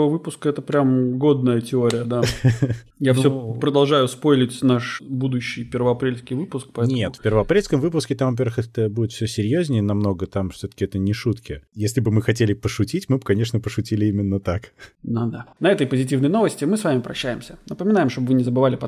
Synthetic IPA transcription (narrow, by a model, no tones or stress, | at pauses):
vəvɨpʊskəɛt̪əpɾʲamɡo̞d̪̚nəjətʲɪo̞ɾʲɪjəd̪a | jafssopɾəd̪ɐlˠʐajʊspojlʲɪtʲnaʂbud̪ʊɕːɪjpʲervəɐpɾʲelʲskʲɪjvɨpʊsk̚pɐɛnʲet̪fʲpʲɪrvəɐpɾʲelʲskəmvɨpʊskʲɪt̪amvɐp̬ʲeɾvəxɛt̪əbudʲɪt̪fsʲɵsʲɪɾʲjozʲnʲɪjənɐmno̞ɡət̪amfsʲot̪ə̥kʲɪɛt̪ənʲɪʂut̪kʲɪjesʲlʲɪbɨmɨxɐtʲelʲɪpəʂʊtʲitʲmɨbɨkɐnʲeʂnəpəʂʊtʲilʲɪimʲɪnːət̪akd̪ad̪anɐɛt̪əjpəzʲɪtʲivnəjno̞vəsʲtʲɪmɨsvamʲɪpɾɐ̰ɕːæjɪmsʲənəpəmʲɪnajɪmʂt̪obəvɨnʲɪzəbɨvalʲɪpɐ